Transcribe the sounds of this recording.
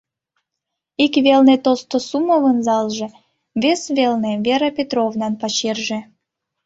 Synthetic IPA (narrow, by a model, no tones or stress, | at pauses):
ikβelnet̪olst̪osuməβənzɑlʒĕ | βesβelneβeɾəpʲet̪rovnɑnpɑt͡ɕerʒĕ